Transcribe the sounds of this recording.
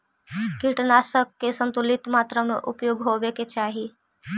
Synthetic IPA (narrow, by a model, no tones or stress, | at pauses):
kiʈnasəkːesənt̪ulit̪maːt̪ɾəmeʔupjoɡɦoʋeket͡ʃaːɦi